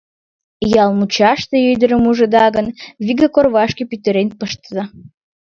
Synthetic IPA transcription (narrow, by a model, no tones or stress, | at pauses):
jɑlˠmut͡ɕɑʃt̪eøjd̪əɾəmuʒə̆d̪ɑɣənβiɡəkorβɑʃkepyt̪əɾenpəʃt̪əzɑ